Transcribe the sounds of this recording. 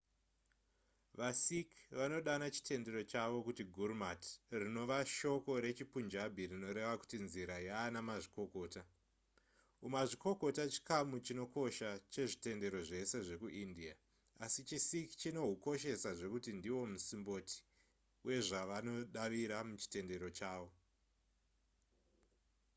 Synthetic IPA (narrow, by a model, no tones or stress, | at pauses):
ʋasikʋano̞ɗanat͡ʃi̥tʰe̞nde̞ɾo̞t͡ʃaʋo̞kutiɡʱurmatrino̞ʋaʃo̞ko̞ɾe̞t͡ʃipund͡ʒabʱirino̞ɾe̞ʋaku̥tinziɾajaːnamaʐiko̞ko̞ːta | umaʐiko̞ko̞tat͡ʃi̥kamut͡ʃino̞ko̞ʃat͡ʃe̞ʐite̞nde̞ɾo̞ʐe̞se̞ʐe̞kuʔindia | asit͡ʃisiki̥t͡ʃino̞ɦuko̞ʃe̞saʐe̞kutindiwo̞musimbo̞ti̥ | uwje̞ʐaʋano̞ɗaʋiɾamut͡ʃi̥te̞nde̞ɾo̞t͡ʃaːʋo̞